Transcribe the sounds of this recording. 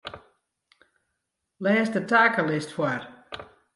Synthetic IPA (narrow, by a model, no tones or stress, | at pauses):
lɛːsdətaːkəlɪstfwar